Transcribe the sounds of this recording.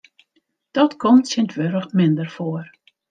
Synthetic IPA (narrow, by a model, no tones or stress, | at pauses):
d̥ɔtkʰɔmtsɪntʋøɾəxmɪndərfoər